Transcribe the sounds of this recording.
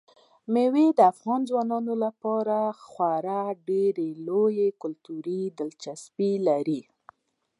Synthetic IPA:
mewed̪əafɣɑnzwɑnɑnolapɑɾaxwaɾaɖeɾelojekʊlt̪uɾid̪əlt͡ʃaspilaɾi

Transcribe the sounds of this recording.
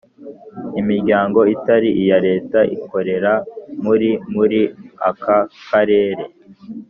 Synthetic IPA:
imiɾɟaːŋɡo̞itaɾiʔijaɾe̞ːtaʔḭko̞ɾe̞ɾamuɾimuɾia̰kʰakʰaɾe̞ːɾe̞

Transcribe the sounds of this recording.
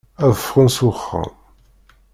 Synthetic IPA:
æðəfʁənsuχːa̰

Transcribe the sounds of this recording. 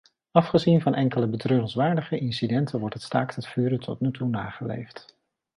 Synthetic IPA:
ɑfχəzinvɑnʔɛŋkələbətrøːrənsʋaːɹdəχəʔɪnsidɛntʰəʋɔɹtɦətstaːktətfyːɾətʰɔ̰t̚nytʰuna̰ːχəlḛjft

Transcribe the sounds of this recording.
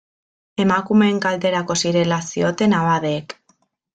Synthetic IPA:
e̞makume̞ːŋkald̪e̞ɾako̞siɾe̞lasio̞t̪e̞naβaðeːk

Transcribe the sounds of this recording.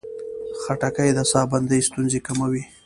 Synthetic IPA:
xaʈakəjd̪əsɑband̪əjst̪unzekamawi

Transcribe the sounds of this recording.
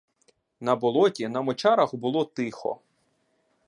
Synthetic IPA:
nɐbɔlˠɔtʲinɐmɔt͡ʃɑɾɐxbʊlˠɔt̪ɪxɔ̰

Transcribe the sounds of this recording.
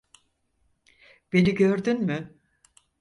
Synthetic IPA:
b̥e̞niɟøɾd̪ynmɪ

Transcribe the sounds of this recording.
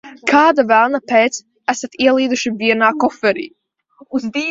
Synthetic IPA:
kʰaːd̪avælˠnapɛːt̪s | æsat̪iɛlˠiːd̪uʃiviɛnaːkɔfɛɾḭː | uzd̪iː

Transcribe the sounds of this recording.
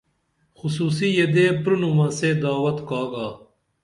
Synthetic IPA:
xusuːs̬ijed̪eːpɾunumɐseːd̪aːwɐt̪kaːɡaː

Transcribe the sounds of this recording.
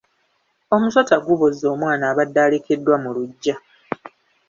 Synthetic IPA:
o̞musotaɡuβozːo̞ːmwaːnaːβadːaːle̞ke̞dːwamuluɟːa

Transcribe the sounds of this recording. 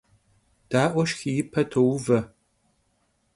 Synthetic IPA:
d̥aːʔʷɔʃxijɪpʰɐtʰowʊvɐ

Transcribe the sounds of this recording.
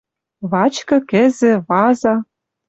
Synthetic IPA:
βɑt͡ɕkɤ̆kɘ̆zɘ̆βɑzɑ

